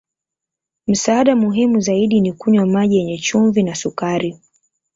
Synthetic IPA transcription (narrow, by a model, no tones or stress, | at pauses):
m̩saːɗamuɦimuzaiɗinikuɲwamaʄijɛɲɛt͡ʃuɱvinasukaɾi